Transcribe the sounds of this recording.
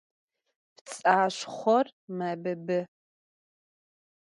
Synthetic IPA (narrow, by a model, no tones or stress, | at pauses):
pt͡sʼaːɕʷχʷɔrmaːbɐbɨ